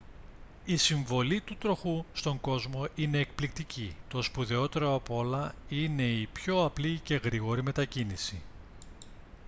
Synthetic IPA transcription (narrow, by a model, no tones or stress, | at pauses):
isiɱvo̞lit̪ut̪ɾo̞xust̪o̞ŋɡo̞zmo̞ine̞ːkplik̚t̪icit̪o̞spuðeo̞t̪e̞ɾoɐpo̞lɐine̞ipço̞ɐplice̞ɣɾiɣo̞ɾime̞t̪ɐcinisi